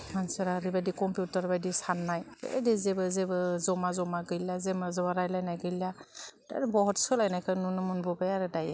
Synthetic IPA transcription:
mansɯɾaɾibadikɔmpjutaɾbajdisanːajbḛdezebɯzebɯzɔmazɔmaɡɯjlːazemazɔwaɾajlajnajɡɯjlad̥a̰ɾbɔɦɔtsɔlajnajkʰɯnunɯmunbɔbajaɾɯdaja

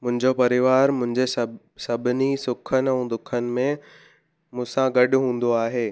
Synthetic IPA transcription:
mʊ̃ɦɪ̃ɲd͡ʑopɐɾɪʋaːɾmʊ̃ɦɪ̃ɲd͡ʑes | sɐbʱɪnisʊkʰənɪ̆ɛ̃ːd̪ʊkʰənɪ̆mẽ | mũːsãɡɐɖʊ̆ɦũːn̆d̪oaːɦeː

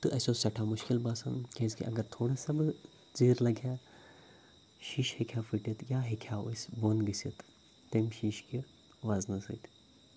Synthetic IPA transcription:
t̪ɨʔɐsosɐʈʰamʊʃkilbaːsɐ̰nkʲezkḭʔɐ̰ɡɐɾt̪ʰoːɽasɐb | ziːɾlɐɡʱjaː | ʃiːʃhekʰjaːfʰiʈit̪jaːɦekʰjaosboːnɡisit̪ː | emʃiːʃki | ʋaːznɐsɨ̰ːt̪ʰ

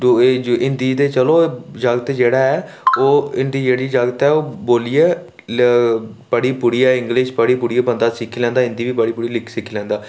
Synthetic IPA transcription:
oʔɪnd̪iːd̪eːt͡ʃəloːd͡ʒəɡət̪d͡ʒeːɽaːɛː | oːɪnd̪iːd͡ʒeːɽiːd͡ʒəɡət̪ɛːoːboːliːeː | pəɽiːpʊɽiːɛːɪ̃ŋɡlɪʃpəɽiːpʊɽiːeːpənd̪aːsɪkʰːiːlɛ̃ːnd̪aːɪ̃nd̪iːʋiːpəɽiːpʊɽiːlɪkʰsɪkʰilɛ̃ːnd̪aː

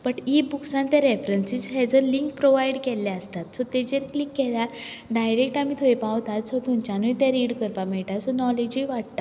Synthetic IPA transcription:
bəʈibuksãnt̪jaɾefɾənsid͡zɦɛd͡zəɾliŋk̚pɾoʋajɽkɛlːaəst̪at̪sɔt̪ed͡ʑeɾklikːɛla | ɖajɾek̚ʈamit̪ʰojpaʋt̪at̪sot̪ʰumt͡ɕanujt̪jaɾiɽkəɾpamɛɭʈasɔnɔled͡ʑiʋaɽt̪a

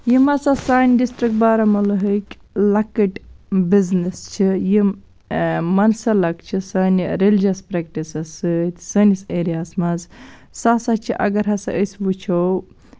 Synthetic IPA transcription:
jimɐsasaːnʲɖisʈɾik̚ʈ̚baːɾɐmɐlɐɦəkʲ | lɐkiʈbiznist͡ʃʰiji | mɐnsɐlɐkt͡ʃʰisaːnʲiɾelid͡ʒɐspɾek̚ʈisɐsɨt̪ʲsɐniseːɾijaːsmɐz | sasɐt͡ʃʰiʔɐ̰ɡɐɾɦɐsɐ̰ʔəsʲbut͡ʃʰow

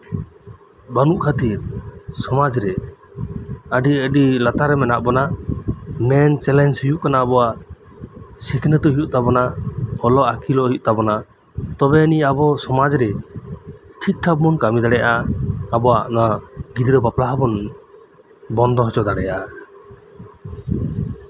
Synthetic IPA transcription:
banuʔkʰat̪iɾsɔmad͡ʒɾɛ | əɖiəɖilat̪aɾɛmɛnaʔ̚bɔna | mɛnt͡ʃɛlɛnshijuʔkanaːbɔwaʔ | sikʰnət̪ɔɦijuʔ̚t̪abɔnaɔlɔʔakʰilɔɦiʔ̚t̪abɔna | t̪ɔbɛəniabɔsɔmad͡ʒɾɛ | ʈʰik̪̚ʈʰabmɔnkamid̪aɽɛjaʔaːbɔaʔnaɡid̪iɾɔbaplaɦabɔn | bɔnd̪ɔɦɔt͡ʃɔd̪aɽɛjaa

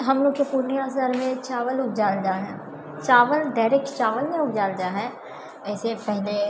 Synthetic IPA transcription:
ɦəmloːkepuɾniasəɾmẽt͡ʃaːʋəlʊɡ̚d͡ʒaːld͡ʒaːɦɛ̃ː | t͡ʃaːʋəlɖaːɾekt͡ʃaːʋəlmẽʊkd͡ʒaːld͡ʒaːɦɛ̃ː | ɛːsepɛɦle

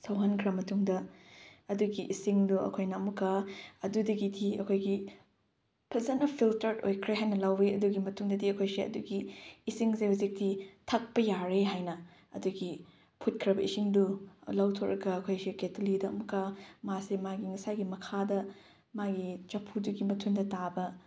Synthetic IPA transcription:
sɐwɦɐnkʰɾɐmːɐtuŋdɐ | ɐduɡiʔisiŋduɐ̰kʰojnɐɐmukaɐdudɐɡidiɐ̰kʰojɡi | pʰɐzɐnɐpʰiltɐɾdo̰jkʰɾeɦajnɐlawɾiɐduɡimɐtuŋdɐdiɐkʰojsiɐ̰duɡiːsiŋsehuzik̚ditʰɐk̚pɐjaɾeɦajnɐ | ɐ̰duɡi | pʰut̚kʰɾɐbɐisiŋdulawtʰoɾʔɐkɐːkʰojsiketʰulidɐɐmukamasimaɡiŋɐsaɡimɐkʰadɐ | maɡit͡ʃɐpʰuduɡimɐtʰuŋdɐtabɐ

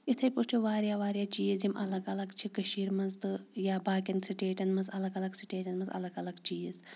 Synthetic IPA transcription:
it̪ʰɐjpuʈʰiʋaːɾjaːʋaːɾjaːt͡ʃiːzimɐlɐɡɐlɐɡt͡ʃʰikɐʃiːɾmɐzt̪ɨjaːbaːkʲɐnsiʈeːʈɐnmɐzɐlɐɡɐlɐɡsi̥ʈeːʈɐnmɐzɐ̰lɐɡɐlɐɡt͡ʃiːz

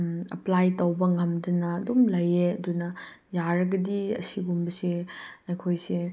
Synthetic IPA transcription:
ɐ̰plajtowbɐŋɐmdɐnɐːdumlɐjeɐdunɐ | jaɾɐɡɐdiɐ̰siɡumbɐsiɐjkʰojsi

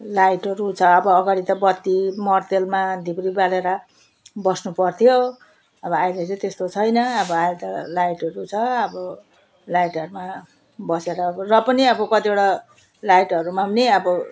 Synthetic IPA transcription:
lajʈʌɾut͡sʰʌʌbʌːɡaɽit̪ʌbʌt̪ːimʌrt̪elmad̪ʱibɾibaleɾʌ | bʌsnupʌrt̪ʰjo | ʌbʌajlet͡sʌt̪est̪ot͡sʰʌjnʌʌbʌajt̪ʌlajʈʌɾut͡sʰʌʌbʌ | lajʈʌɾuma | bʌseɾʌrʌpʌniʌbʌkʌt̪ieɽa | lajʈʌɾumamneʌbʌ

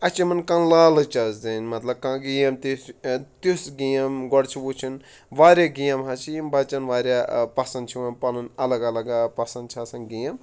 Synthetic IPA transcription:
ɐt͡ʃimɐnkãnlaːlɨt͡ʃɐzd͡zɐnmɐt̪lɐb̚kãɡijɐmt̪ist̪usɡijɐmɡɔɽt͡ʃʰiwut͡ʃʰin | ʋaːɾʲjaɡijɐmɦat͡ʃʰijɐmbat͡ʃɐnʋaːɾʲjapɐsɐnd̪̚t͡ʃʰiwɐnpɐlɨnɐlɐɡɐlɐɡapɐsɐnd̪t͡ʃʰasɐnɡijɐm

